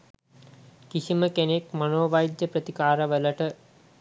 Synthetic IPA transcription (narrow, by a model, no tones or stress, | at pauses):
kisiməkenekmɐnoːʋajd̪jəprət̪ikaːɾəʋələʈə